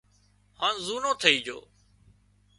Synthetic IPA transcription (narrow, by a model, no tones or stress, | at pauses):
hãːnzuːnõːt̪ʰəiːd͡ʒʱo̰ː